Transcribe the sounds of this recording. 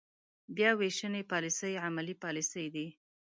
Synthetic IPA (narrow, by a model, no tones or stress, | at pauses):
bjɑweʃənepɑlisəjʕamalipɑlisəjd̪i